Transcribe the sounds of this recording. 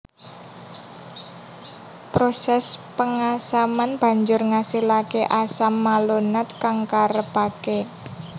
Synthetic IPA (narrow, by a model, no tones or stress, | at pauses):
pɾosɛspəŋasamanb̥a̤ɲd͡ʒʊrŋasilakeʔasamːalonat̪̚kaŋkaɾəb̥ake